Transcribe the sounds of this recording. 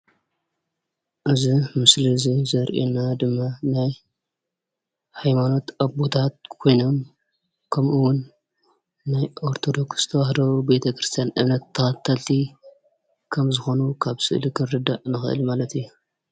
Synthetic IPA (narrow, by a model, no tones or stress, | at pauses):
ʔɨzimɨslizizɐɾʔḛnad̪ɨmːanaj | hajmano̞t̪abo̞t̪ʰat̪̚kʰo̞jno̞m | kʰɐmʔɨwʊnː | ajʔo̞ɾt̪ʰo̞d̪o̞kst̪ʰɐwaħd̪ɐwube̞t̪ʰɐkɾɨst̪ʰijanʔɨmnɐt̪ʰːɐxat̪ʰːɐlt̪ʰi | kʰɐmzɨxo̞nukʰaβsɨʔlikʰɨnɾɨd̪aʔnɨxɨʔɨ̰lmalɐt̪ijːu